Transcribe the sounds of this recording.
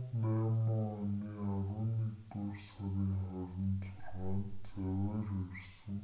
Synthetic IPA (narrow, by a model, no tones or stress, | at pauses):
næːmɔaniːaɾʊːniːkt̪ursaɣiːŋχɔɾʲɪ̆nt͡sʰʊɮʁaːnt͡sæwæːrersə̆ŋ